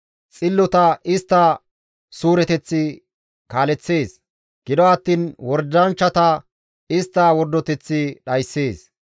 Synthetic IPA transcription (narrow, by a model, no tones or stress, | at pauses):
t͡sʼɪlːɔt̪ɐʔɪst̪ːɐ | suːɾɛt̪ɛt͡sːɪ | kaːlɛt͡sːe̞ːs | ɡ̥ɪd̪ɔɐt̪ːiːnwɔɾd̪ɐnt͡ʃːɐt̪ɐ | ɪst̪ːɐwɔɾd̪ːɔt̪ɛt͡sːɪɗɐjsːeːs